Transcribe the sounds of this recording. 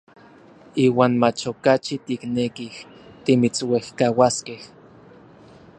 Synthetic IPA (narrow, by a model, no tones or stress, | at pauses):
iːwaːnmat͡ʃokat͡ʃit̪iknekiht̪imit͡swehkawaskeh